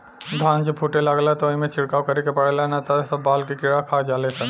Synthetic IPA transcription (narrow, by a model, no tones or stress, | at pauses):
d̪ʱãːnd͡ʒepʰuʈelaɡlat̪oĩmẽt͡ʃʰɪɽkaːwkɐɾikepɐɽelanat̪asɐbːaːlkikɪɽakʰaːd͡ʒaːlesʰɐn